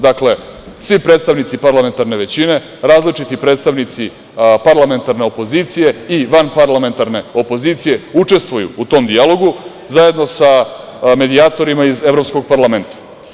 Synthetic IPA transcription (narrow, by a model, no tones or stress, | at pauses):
d̪akle̞sʋipɾeːt̪st̪aʋnit̪sipaɾlˠame̞nt̪aɾne̞ʋe̞t͡ɕine̞ | ɾaːzlit͡ʂit̪ipɾe̞ːt̪st̪aʋnit̪si | paɾlame̞nt̪aɾne̞opo̞zit̪sije̞iʋanpaɾlˠame̞nt̪aɾne̞o̞po̞zit̪sije̞ut͡ʂe̞st̪ʋojṵut̪o̞ːmd̪ialˠo̞ɡu | zaje̞d̪no̞sa | me̞d̪iat̪o̞ɾimaize̞vɾo̞psko̞ɡ̚paɾlˠame̞nt̪ḁ